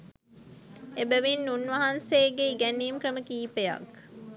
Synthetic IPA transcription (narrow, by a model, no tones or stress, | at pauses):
ebəʋinːunʋɐɦɐnseːɡeiɡæniːmkrəməkiːpeja̰k